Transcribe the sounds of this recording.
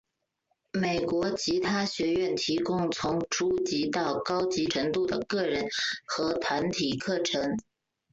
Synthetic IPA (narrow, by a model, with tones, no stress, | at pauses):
me˨˩ɪkwɔ˧˥t͡ɕʰi˧˥t̪ʰa˥ɕɥɛ˧˥ɥɛ˥˩nt̪ʰi˧˥kʊ˥ŋt͡sʰʊ˧˥ŋʈ͡ʂʰu˥t͡ɕi˧˥t̪ɑ˥˩ʊkɑ˥ʊt͡ɕi˧˥ʈ͡ʂʰɤ˧˥ŋt̪u˥˩d̪ə˩kɤ˥˩ɻə˧˥nxɤ˧˥t̪ʰwa˧˥nt̪ʰi˨˩kʰɤ˥˩ʈ͡ʂʰɤ˧˥ŋ